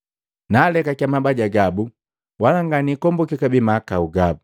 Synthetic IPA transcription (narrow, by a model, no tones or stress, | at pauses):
naːlɛkakamabaɟaɡabu | walaŋɡanikɔmbɔkikabimakauɡabu